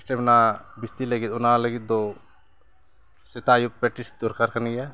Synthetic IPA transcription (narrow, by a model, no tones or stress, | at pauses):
sʈɛbnabist̪iləɡit̪ʊnaləɡit̪̚d̪ɔ | sɛt̪ajup̚pɛʈisd̪ɔɾkaɾkənɡɛja